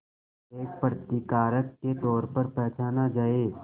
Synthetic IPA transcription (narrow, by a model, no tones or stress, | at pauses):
eːk̚pɾət̪ɪkaːɾəkːet̪ɔːɾpɐɾpɛɦt͡ʃaːnad͡ʒaːeː